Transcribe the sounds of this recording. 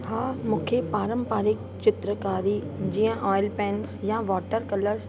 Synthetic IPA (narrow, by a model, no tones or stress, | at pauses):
ɦaːmũːkʰepaːɾə̃mpaːɾɪk̚ | t͡ɕɪt̪ɾəkaːɾid͡ʑiːə̃ʔɔːɪlpɛ̃ːnsjaʋɔːʈəɾkɐləɾz